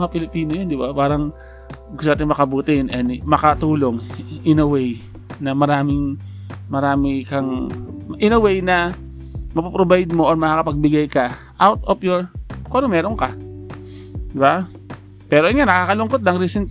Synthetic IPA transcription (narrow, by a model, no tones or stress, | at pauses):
ŋɐpɪlɪpiːnojond̪ɪbapaːɾɐŋ | ɡʊst̪onaːt̪ɪŋmɐkɐbuːt̪ɪnɛnmɐkɐt̪uːloŋʔɪnɐwɛj | nɐmɐɾaːmɪŋmɐɾaːmɪkɐŋʔɪnɐwɛjnɐ | mɐpɐpɾobajd̪̚moʔoɹmɐkakɐpɐɡ̚bɪɡajkɐ | ʔawt̪̚opjoɹkoʔɐnomɛːɾonkɐ | d̪ɪba | pɛːɾoʔɐnŋanɐkaːkɐlʊŋkot̪̚nɐŋɾisɛnt̪